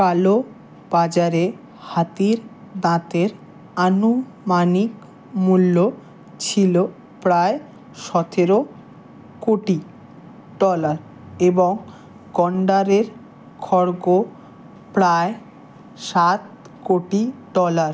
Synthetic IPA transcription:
kalo | b̥ad͡ʑaɾe | hat̪iɾ | d̪ãt̪eɾ | anu | manik | mulːo | t͡ɕʰilo | pɾae | ʃɔt̪ʰeɾo | koʈi | ɖɔlaɾ | eboŋ | ɡɔɳɖaɾeɾ | kʰɔɾɡo | pɾae | ʃat̪ | koʈiɖɔlaɾ

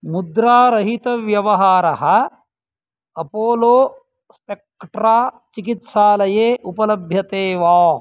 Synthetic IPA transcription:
mud̪ɾaːɾɐɦit̪ɐʋjɐʋɐɦaːɾɐɦɐ | ɐpoːloː | spek̚ːʈɾaː | t͡ʃikit̪saːlɐjeːʔupɐlɐbʱjɐt̪eːʋaː

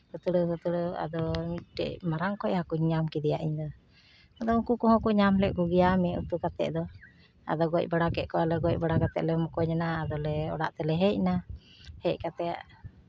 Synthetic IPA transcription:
hɔt̪əɽəɦɔt̪uɽɔa̰d̪ɔʈɛ̰ʔmaɾaŋkɔjhakuɲɲamkid̪ɛjaʔiɲd̪ɔ | ad̪ɔukukɔɦɔ̃kuɲamlɛʔkuɡijamɛṵt̪ukat̪ɛ̰ʔd̪ɔ | a̰d̪ɔɡɔc̚ˀbaɽakɛʔkɔalɛɡɔc̚baɽakat̪ɛ̰ʔlɛmɔkɔɲanaːd̪ɔlɛɔ̰ɽaʔt̪ɛlɛɦɛcna | hɛckat̪ɛa̰ʔ

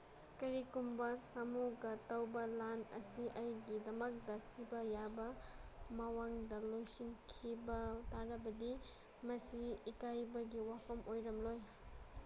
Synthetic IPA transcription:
kɐɾikumbɐsɐmuɡɐtɐwbɐlanɐ̰siʔɐjɡidɐmɐk̚dɐsibɐjabɐmɐwaŋdɐlojsiŋkʰibɐtaɾɐbɐdi | mɐsiːkajbɐɡiwapʰɐmojɾɐmloj

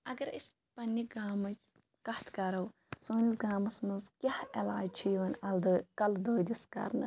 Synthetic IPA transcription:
ɐɡɐɾis | pɐnːiɡaːmɐt͡ʃ | kɐht̪ʰkɐɾɐw | soːnisɡaːmɐsmɨzkʲɐhɐlaːt͡ʃʰijʋɐnʲɐld̪kɐld̪oːd̪ʲiskɐ̰ɾnɨ̰

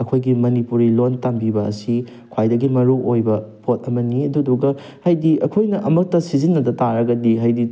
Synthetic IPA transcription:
ɐkʰojɡimɐnipuɾilontambibɐɐ̰si | kʰwajdɐɡimɐɾuʔojbɐpʰot̚ɐmɐniɐduduɡɐ | hajdiʔɐkʰojnɐʔɐmɐk̚tɐsizinːɐdɐtaɾɐɡɐdiɦajdi

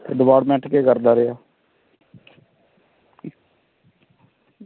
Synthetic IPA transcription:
t̪ḛːɖ̪əʋaːɽmɛ̃ːʈkeːkəɾd̪aːɾɪjaː

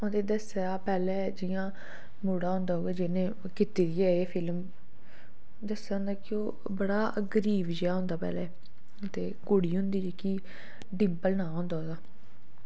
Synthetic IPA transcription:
õnd̪eːd̪əsːaːpɛːlɛːd͡ʒɪjãː | muːɽaːɦʊ̃nd̪aːɦoːɡeːd͡ʒɪnẽː | kɪt̪iːd̪iɛːeːpʰɪlm | d̪əsːaːɦʊ̃nd̪aːkɪoː | bəɽaː | ɡəɾiːʋd͡ʒeaːɦʊ̃nd̪aːpɛ̰ːlɛː | t̪eːkʊɽiːɦʊ̃nd̪iːd͡ʒeːkiː | ɖɪmpəlnaːɦʊ̃nd̪aːɦoːɡaː

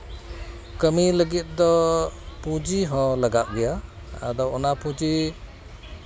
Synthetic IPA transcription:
kəmiləɡit̪̚ˀd̪ɔpud͡ʒiɦɔ̃laɡaʔ̚ɡɛja | a̰d̪ɔɔnapũd͡ʒi

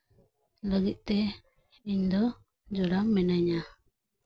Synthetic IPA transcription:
ləɡic̪̚ˀt̪ɛ | iɲd̪ɔ | d͡ʒɔɽaŋmɛnaɲa

